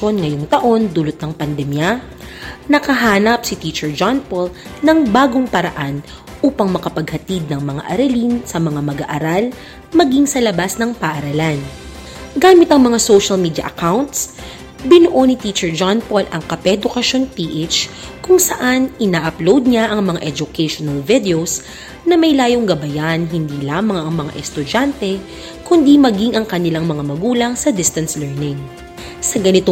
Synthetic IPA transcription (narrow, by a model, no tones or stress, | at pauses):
o̞nŋɐjoŋt̪ɐʔo̞nd̪ulʊt̪̚nɐŋpɐnd̪ɛmjɐ | nɐkɐɦaːnɐpsɪt̪it͡ʃɛɹd͡ʒanpolnɐŋbaːɡoŋpɐɾɐʔan | ʔuːpɐŋmɐkɐpɐɡ̚hɐt̪id̪̚nɐŋmɐŋa̰ʔɐɾɐlinsɐmɐŋamɐɡa̰ʔɐɾal | mɐɡiŋsɐlɐbasnɐŋpɐʔɐɾɐlan | ɡaːmɪt̪ɐŋmɐŋasowʃɐlmiːd̪jɐ̰ʔɐkawnt̪s | bɪnʊʔo̞nɪt̪it͡ʃɛɹd͡ʒanpolʔɐŋkɐpɛd̪ʊkɐʃo̞npiːʔet͡ʃ | kʊŋsɐʔanɪnaːʔɐplowd̪̚ɲaʔɐŋmɐŋaʔɛd͡ʒʊkɛjʃonɐlvɪd̪ɛos | nɐmɐjlaːjoŋɡɐbɐjanɦɪnd̪iːlaːmɐŋɐŋmɐŋa̰ʔɛst̪ʊd͡ʒant̪ɛ | kʊnd̪imɐɡiŋʔɐŋkɐnɪlaŋmɐŋamɐɡuːlɐŋsɐd̪ɪst̪ɐnslɛɹnɪŋ | sɐɡɐnɪt̪o